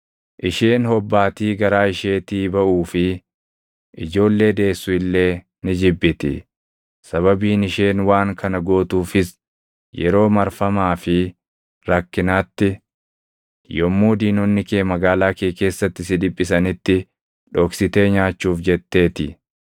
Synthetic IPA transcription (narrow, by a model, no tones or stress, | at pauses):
ʔɪʃeːnhɔbːaːt̪iːɡɐɾaːɪʃe̞ːt̪iːbɐʔuːfɪ | ʔɪd͡ʒo̞ːlːe̞ːd̪e̞ːsːʊɪlːe̞ː | nɪd͡ʒɪbːɪt̪ɪ̰ | sɐβɐbiːnɪʃeːnwaːŋkʰɐnɐɡo̞ːt̪uːfɪs | jɛɾo̞ːmɐɾfɐmaːfɪ | ɾɐkːɪnaːt̪ːɪ | jɔmːuːd̪iːnɔnːɪkeːmɐɡaːlaːkeːke̞ːsːɐt̪ːɪsɪd̪ɪpʼːɪs̬ɐnɪt̪ːɪ | ᶑɔːksɪt̪e̞ːɲaːt͡ʃːuːfd͡ʒɛt̪ːe̞ːt̪ɪ